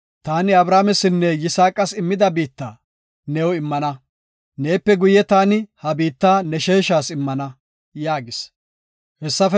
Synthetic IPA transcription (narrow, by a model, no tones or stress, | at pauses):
t̪aːnɪɐbɾaːmɛsɪnːɛjɪsaːkʼɐsɪmːɪd̪ɐbiːt̪ːaː | nɛwɔɪmːɐnɐ | ne̞ːpːɛɡʊjɛt̪aːnɪhɐbiːt̪ːaːnɛʃeːʃaːsɪmːɐnɐ | jaːɡɪs | hɛsːɐf